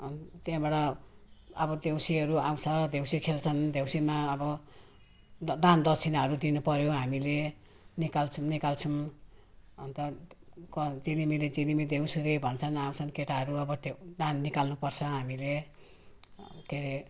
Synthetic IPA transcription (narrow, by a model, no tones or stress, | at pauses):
ʌnt̪jãbaʈʌ | ʌbʌd̪ewsiɦʌɾuaw̃t͡sʰʌd̪ʱewsikʰelt͡sʰʌnd̪ʱewsimaʌbʌ | d̪and̪ʌt͡sʰinʌɾud̪inupʌɾjoɦamile | nikalt͡sʰunikalt͡sʰum | ʌnt̪ʌkʌd͡zinimiled͡zinimid̪ew̃siɾebʱʌnt͡sʰʌnaw̃t͡sʰʌnkeʈaɦʌɾuʌbʌd̪ed̪anːikalnupʌrt͡sʰʌɦamile | d̪̥ʱeɾe